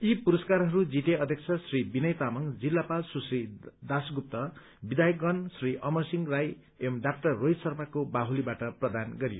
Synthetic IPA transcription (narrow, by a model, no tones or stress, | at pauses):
ipuɾʌskaɾɦʌɾud͡ziʈeʌd̪ʱjʌk̚t͡sʰʌsribinʌjt̪amʌŋd͡zilːapalsusrid̪asɡup̚t̪ʌ | bid̪ajʌk̚ɡʌnsriʔʌmʌrsiŋraj | emɖak̚ʈʌrːoj̪sʌrmakobaɦulibaʈʌprʌd̪anɡʌɾijo̰